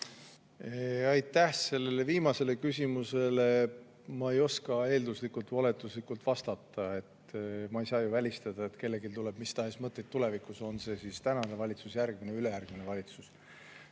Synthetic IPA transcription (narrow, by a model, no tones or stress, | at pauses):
eɑjt̪ˑːæhse̞lːe̞le̞viːmɑse̞le̞kysʲimuse̞le̞ | mɑejo̞skɑe̞ːld̪uslikːˑult̪vɑle̞t̪ˑuslikult̪vɑst̪ɑt̪ːˑɑe̞t̪mɑejsɑːjuvælʲist̪ɑd̪̥ɑet̪ke̞lːe̞ɡilt̪ule̞b̥mist̪ɑɦe̞smɤt̪ːˑet̪t̪ːule̞vikˑuso̞nse̞sist̪ænɑnevɑlʲit̪susjærɡ̥mine̞yle̞jærɡ̥minevɑlʲit̪sus